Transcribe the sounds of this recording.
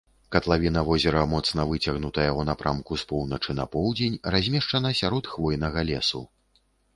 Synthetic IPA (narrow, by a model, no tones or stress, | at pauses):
kɐt̪lˠavʲinɐvɔzʲɛɾɐmɔt̪snɐvɨt͡sʲɐɣnut̪ɐjɐunapɾʔamkuspɔwnɐt͡ʂɨnɐpɔwd͡zʲenʲrazʲmʲɛʂt͡ʂɐnɐsʲaɾɔt̪xvɔjnɐɣɐlʲɛsu